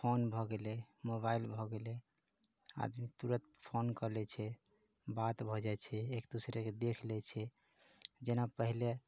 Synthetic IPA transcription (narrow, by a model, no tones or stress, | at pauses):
pʰonbʱɔɡelɛmobailbʱɔɡelɛ | a̰d̪mit̪uɾət̪pʰonkəlɛt͡ʃʰɛ | bat̪bʱɔd͡ʒajt͡ʃʰɛekd̪usɾeked̪ekʰlɛt͡ʃʰɛ | d͡ʒenapəɦile